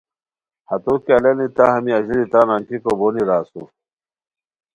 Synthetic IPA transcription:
hɐt̪okeɐlenit̪ahɐmiɐʑiɾit̪aːnaŋkikoboniɾaːsṵ

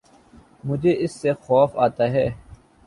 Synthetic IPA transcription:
mʊd͡ʒʱeʔɪsːexɔːfaːt̪aɦɛː

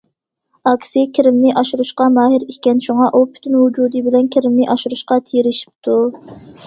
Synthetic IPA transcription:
ɑkʲsɪkʲʰiɾɪmnɪʔɑʃuɾuʃqɑmɑːɦɪɾikʲɛnʃuŋɑʔupʰy̥t̪ʰynwud͡ʒuːd̪ɨbɪlɛnkʲʰiɾɪmnɪʔɑʃuɾuʃqɑt̪ʰeɾɪʃi̥p̚t̪ʰu

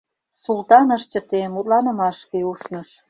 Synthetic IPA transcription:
sult̪ɑnəʃt͡ɕə̆t̪emut̪̚lɑnə̆mɑʃkeuʃnə̆ʃ

